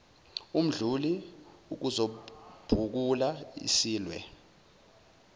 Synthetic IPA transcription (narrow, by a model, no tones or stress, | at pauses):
um̩ɮuliuk̬uzob̥ʱuk̬ulaḭsiːlwɛ̰